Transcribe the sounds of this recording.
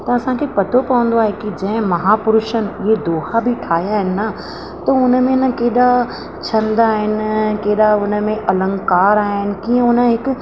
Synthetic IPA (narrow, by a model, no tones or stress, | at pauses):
t̪ɐɐsãkʰepɐt̪ʰopɐʋə̃nd̪oaːɦekid͡ʑɐ̃ɦɪ̃mɐɦaːpʊɾuʃənɪɦed̪oːhabʱiʈʰaːijaːɦɪnɪ̆nɐ | t̪ɐʊnə̆mẽnəkeːɗa | t͡ɕʰɐ̃nd̪aːɦɪnɪkeːɗaʊnə̆mẽʔɐlə̃ŋɡkaːɾaːɦɪnɪ̆kiːə̃ʊnə̆ɦɪkʊ̆